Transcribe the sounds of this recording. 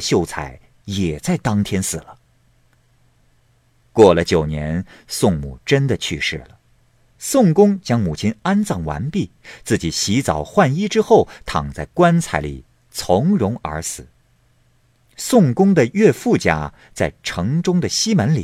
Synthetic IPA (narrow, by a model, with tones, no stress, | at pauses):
ɕjo˥˩ʊt͡sʰa̰˨˧˩ɪ | jɛ˨˩t͡sa˥˩ɪt̪ɑ˥ŋt̪ʰjɛ˥nsɹ̩˨˩lə˦ | kwɔ˥˩lə˩t͡ɕjo˨˩ʊnjɛ̰˧˥nsʊ˥˧ŋmu˥˩ʈ͡ʂə˥nd̪ə˨t͡ɕʰy˥˧ʂɻ̩˥˩lə˩ | sʊ˥˩ŋkʊ˥ŋt͡ɕjɑ˥ŋmu˨˩t͡ɕʰi˥na˥nt͡sɑ˥˩ŋwa̰˧˥npi˥˩t͡sɹ̩˥˩t͡ɕi˨˩ɕi˧˥t͡sɑ˨˩ʊxwa˥˩ni˥ʈ͡ʂɻ̩˥xo˥˩ʊt̪ʰɑ̰˨˩ŋt͡sa˥˩ɪkwa˥nt͡sʰa˨˧˥ɪlḭ˨˩ | t͡sʰʊ˧˥ŋɻʊ˧˥ŋə̰˞˧˥sɹ̩˨˩˦ | sʊ˥˩ŋkʊ˥ŋd̪ə˨ɥɛ˥˧fu˥˩t͡ɕja̰˥˩ | t͡sa˥˩ɪʈ͡ʂʰɤ˧˥ŋʈ͡ʂʊ˥ŋd̪ə˨ɕi˥mə˧˥nli˨˩